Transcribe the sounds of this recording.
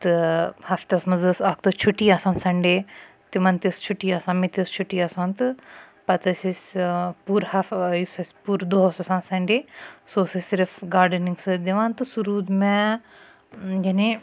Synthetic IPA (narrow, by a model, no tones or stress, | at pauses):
t̪ɨhɐft̪ɐsmɐzɨsaːk̚t̪oːt͡ʃʰuʈiaːsãːnsɐɳɖeː | t̪imɐnt̪ist͡ʃʰuʈiːaːsãːmit̪iəst͡ʃʰuʈːiːaːsãːnt̪ɨ | pɐt̪ɐsʲisʲpuːɾhafjisɐsʲpuːɾd̪oɦosɐsãːnsɐɳɖeːsoːsɨsɪɾfɡaːɾɖənĩŋɡsɨd̪iʋãːnt̪ɨsuɾuːd̪mɛ̃ | d͡ʒɐnẽ